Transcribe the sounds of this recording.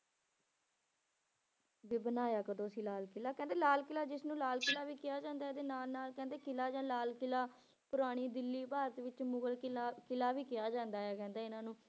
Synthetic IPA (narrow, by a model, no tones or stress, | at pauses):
ʋiːbənaːjaːkəd̪oːəsĩːlaːlkɪlaːkɛ̃ːnd̪eːlaːlkɪlaːd͡ʒɪsnũːlaːlkɪlaːʋiːkɪjaːd͡ʒãːnd̪aːɛːd̪eːnaːlnaːlkɛ̃ːnd̪eːkɪlaːd͡ʒãːlaːlkɪlaː | pʊɾaːɽ̃iːd̪ɪlːiːpaːɾət̪ʋɪt͡ʃmʊɡəlːkɪlaːʋiːkɪjaːd͡ʒãːnd̪aːɛkɛ̃ːnd̪aːɪnãːnũː